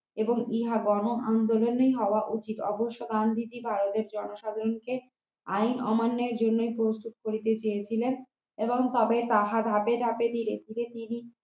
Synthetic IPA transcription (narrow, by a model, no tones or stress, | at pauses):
eboŋiɦaɡɔnoʔand̪olonojɦɔoaʔut͡ɕit̪ɔboʃːoɡ̪and̪ʱid͡ʑibʱaɾot̪eɾd͡ʑɔnoʃad̪ʱaɾonke | ajnɔ̰manːeɾd͡ʑonːojpɾost̪ut̪̚koɾit̪et͡ɕejet͡ɕʰilen | eboŋt̪ɔbet̪aɦad̪ʱaped̪ʱaped̪ʱiɾed̪ʱiɾet̪ini